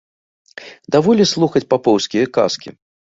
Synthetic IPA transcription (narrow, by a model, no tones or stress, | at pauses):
d̪avɔlʲislˠuxɐt͡sʲpapɔwskʲijɐka̰skʲḭ